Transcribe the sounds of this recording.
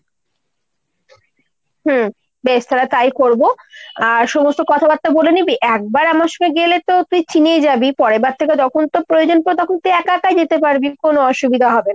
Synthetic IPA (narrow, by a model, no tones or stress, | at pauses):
ɦm̩ | beʃt̪ʰaɾat̪ajkoɾboaɾʃɔmost̪okɔt̪ʰabat̪ːabolenibiʔɛk̚baɾamaɾʃɔŋeɡelet̪ot̪uit͡ɕinejd͡ʑabipɔɾebaɾt̪ʰek̬et̪ɔkʰont̪opɾojod͡ʑonpot̪ɔkʰont̪uiɛkakad͡ʑet̪epaɾbikonoɔʃubid̪ʱaɦɔbena